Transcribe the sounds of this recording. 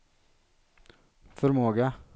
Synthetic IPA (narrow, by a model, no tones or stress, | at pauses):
fɔɾmoːɡə